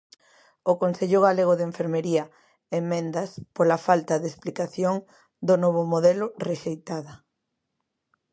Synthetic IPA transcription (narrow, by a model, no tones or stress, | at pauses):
okonseʎʊɣaleɣ̞oðeɱfeɾmeɾiɐ | emːẽnd̪ɐspolafalt̪ɐðesplikaθjoŋ | d̪onoβ̞ʊmoðɛlʊreʃejt̪aðɐ